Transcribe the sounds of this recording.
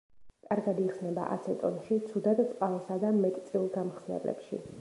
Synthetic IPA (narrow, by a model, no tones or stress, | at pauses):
kʼaɾɡad̪iχsnɛba̰ʔa̰t̪sʰɛt̪ʼɔnʃit̪sʰud̪at̪t̪ʼqʼalˠsad̪amɛt̪ʼt̪sʼilˠɡamχsnɛ̰blɛ̰pʃḭ